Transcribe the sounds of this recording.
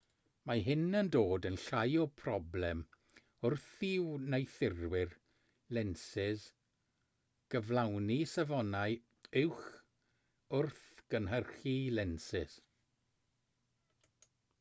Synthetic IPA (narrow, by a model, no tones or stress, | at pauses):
maɦɪnəndoːdənɬajɔpʰrɔblɛm | ʊrθɪwnejθɪrwɪr | lɛnsɪz | ɡ̥əvlˠawnisavɔnaɨ | ɪwχ | ʊrθɡ̥ənɦərχilɛnsɪs